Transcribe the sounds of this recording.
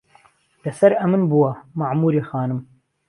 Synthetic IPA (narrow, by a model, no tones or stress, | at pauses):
lɐsɐɾɐmɨnbuwɐmaʕmuːɾiːxɑːnɨm